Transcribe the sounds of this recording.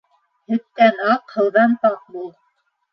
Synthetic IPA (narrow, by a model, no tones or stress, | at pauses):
hɵ̆t̪̚kænɑqhɤ̆lˠðɑnt̪ɑq̚bulˠ